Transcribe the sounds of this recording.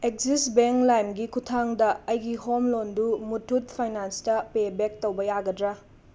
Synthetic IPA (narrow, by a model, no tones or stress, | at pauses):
ek̚zisbeŋklajmɡikʰutʰaŋdɐɐjɡiɦomlondumutʰut̚pʰajnanstɐpebek̚towbɐjaɡɐdɾɐ